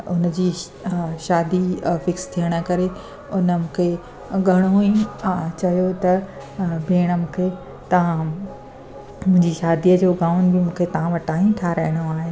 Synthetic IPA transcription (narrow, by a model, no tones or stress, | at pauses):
ʊnd͡ʑiː | ʃaːd̪ifɪkst̪ʰijəɽ̃ə̆kɐɾe | ʊnəmũːkʰe | ɡʱɐɽ̃oĩt͡ɕɐjot̪ɐ | bʱeːɽ̃əmũːkʰe | t̪ɐʋ̤ã | mʊ̃ɦɪ̃ɲd͡ʑiʃaːd̪iəd͡ʑoːɡaːʊnɪ̆bɪmũːkʰet̪ɐʋ̤ãʋɐʈaːɦĩʈ̪ʰaːɾɐɦɪɽ̃oaːɦe